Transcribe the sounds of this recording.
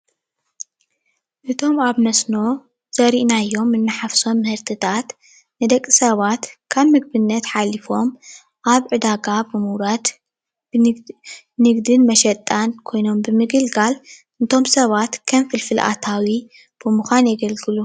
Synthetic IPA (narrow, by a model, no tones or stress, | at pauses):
ʔɨt̪ʰo̞maβnɐsno̞ | z̥ɐɾiʔnajːo̞mːɨnːɨħafso̞mːɨhɨɾt̪ʰɨt̪ʰat̪ | nɨd̪ɐkʼːisɐβat̪kʰaβmɨɡbɨnːɐt̪ħalifo̞m | ʔaβʕɨd̪aɡabɨmuwɾat̪ | nɨɡd̪ɨnmɐʃɐt̪ʼːankʰo̞jno̞mbɨmɨɡɨlɡal | ɨnt̪ʰo̞msɐβat̪kʰɐmfɨlfɨlʔa̰t̪ʰawi | b̥ɨmuxʷanjɛɡɐlɡɨlu